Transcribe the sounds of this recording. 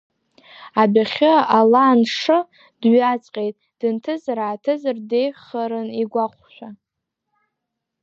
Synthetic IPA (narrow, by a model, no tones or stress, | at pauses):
abaχʲɨalaːnʂɨ | d̥ɥat͡sʼqʲʼe̞jtʼ | d̥ɨntʰɨzaɾaːtʰɨzɨrde̞jχaɾɨniɡʷaχʷʃʷᶣa